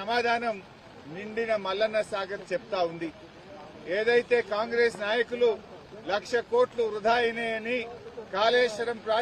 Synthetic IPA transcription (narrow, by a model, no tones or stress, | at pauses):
ɐmaːd̪ʱaːnɐm | niɳɖinɐmɐlːɐnːɐsaːɡɐt̪t͡ʃɛp̚t̪aːund̪i | eːd̪ɐjt̪e̞ːkaːŋɡɾeːsnaːjɐkululɐkʂɐko̞ːʈluɾud̪ʱaːjɐneːnikaːleːʃɐɾɐmpɾaː